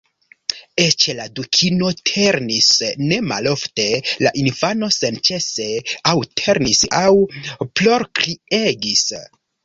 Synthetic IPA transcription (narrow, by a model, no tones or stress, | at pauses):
et͡ʃladukʰino̞tʰe̞ɾnisne̞ma̰lo̞fte̞laʔinfano̞sent͡ʃe̞se̞awtʰe̞ɾnisawplo̞ɾkɾie̞ɡis